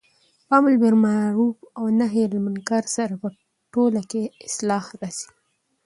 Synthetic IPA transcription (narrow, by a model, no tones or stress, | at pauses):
pamʊlbɪɾmaɾubawnaɦelamankaɾsaɾapə | ʈolakeɪslɑhɾasi̥